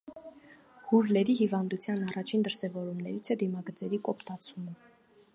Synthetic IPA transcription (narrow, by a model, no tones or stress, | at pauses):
huɾlɛɾiɦivɑnd̪ut͡sʰjɑnɑrɑt͡ʃʰind̪əɾsɛvɔɾumnɛɾit͡sʰɛd̪imɑɡəd͡zɛɾikɔpʰt̪ɑt͡sʰumə